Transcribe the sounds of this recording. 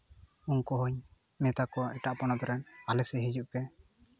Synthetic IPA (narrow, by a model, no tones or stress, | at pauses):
unkɔɦɔɲ | mɛt̪akɔaʔɛʈaʔpɔnabɛɾanalɛsɛɦid͡ʒuʔkɛ